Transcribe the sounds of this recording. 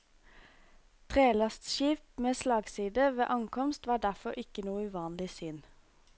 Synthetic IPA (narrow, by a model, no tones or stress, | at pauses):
t̪ʰʁeːlɑst̪ʃiːpmeːslɑːɡsiːd̪əʋḛːʔɑŋkʰɔmst̪ʋɑːɖæfɔʁɪkənuːəʉʋɑːnlɪsʏn